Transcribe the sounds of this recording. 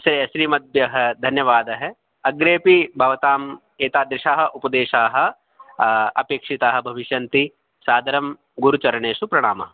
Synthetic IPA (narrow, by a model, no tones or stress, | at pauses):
sɾeɐsɾiːmɐd̪̚bjɐɦɐ̆d̪ʱɐnjɐʋaːd̪ɐɦɐ | ɐɡɾeːpibʱɐʋɐt̪aːm | eːt̪aːd̪ɾɪʃaːɦɐ̆ʔupɐd̪eːʃaːɦɐ̆ | ɐpeːkʂit̪aːɦɐ̆bʱɐʋiʃjɐnt̪i | saːd̪ʱɐɾɐm | ɡuɾut͡ʃɐɾɐɳeːʃupɾɐɽ̃aːmɐɦɐ